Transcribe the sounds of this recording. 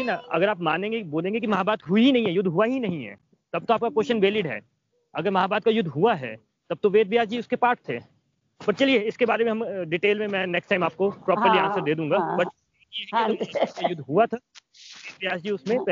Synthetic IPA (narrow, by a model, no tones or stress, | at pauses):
inaɐ̰ɡəɾaːpmaːnẽːɡeboːlẽːŋɡekimɐɦaːbaːt̪ɦʊinɐɦĩɦɛjʊd̪ʱːɦuaɦinɐɦĩɦɛ̰ː | t̪ɐb̚t̪oaːp̚kakoːʃənʋeːlɪɖɦɛ̰ː | ɐɡəɾmɐɦaːbaːd̪̚kajʊd̪ʱɦuaɦɛ̰ː | t̪ɐb̚t̪oʋeːd̪̚ʋɪjaːd͡ʒd͡ʒiʊskepaːɾʈ̚t̪ʰeː | pɐɾt͡ʃɐlieɪskebaːɾemẽɦɐmɖɪʈeːlmẽmɛ̃nɛksʈaːɪmaːp̚kopɾɔːpəɾliãːnsəɾd̪eːd̪ũːŋɡabɐʈ | eɦɛkiakajʊd̪ʱɦuat̪ʰa | ʋeːd̪ʋijaːd͡ʒd͡ʒiʊsmẽpɛ